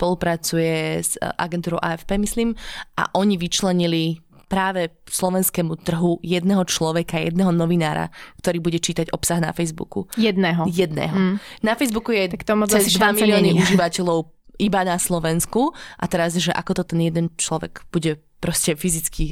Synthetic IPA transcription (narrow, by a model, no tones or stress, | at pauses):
spɔlˠupɾat͡sujɛzʔa̰ɡɛnt̪uːɾɔʊʔaɛfpɛːmisliːmʔa̰ʔɔɲiʋit͡ʃlɛɲili | pɾaːʋɛslɔʋɛnskɛmut̪r̩ɦujɛd̪nɛɦɔt͡ʃlɔʋɛkajɛ̰d̪̚nɛɦɔnɔʋinaːɾa̰kt̪ɔɾiːbuɟɛt͡ʃiːt̪aɟɔpsaɣna̰fɛjzbṵkujɛd̪nɛːɦɔjɛd̪nɛ̰ɦɔnafɛjzbukujɛat̪ɔmɛzd̪ʋamiliɔːniuʒiʋacɛʎɔʊ | ibanaslɔʋɛnskuʔat̪ɛɾazʒɛʔakɔt̪ɔt̪ɛnjɛd̪ɛnt͡ʃlɔʋɛ̰ɡ̥b̥uɟɛ | pɾɔscɛfizit͡ski